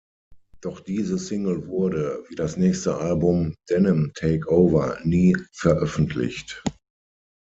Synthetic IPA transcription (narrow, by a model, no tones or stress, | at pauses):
d̥ɔχd̥iːzəsɪŋl̩vʊɐɾəviːdasnɛːçstəʔalbʊmd̥ɛnəmtʰeɪkoʊvɐniːfɛɐʔœfn̩tʰlɪ̰çt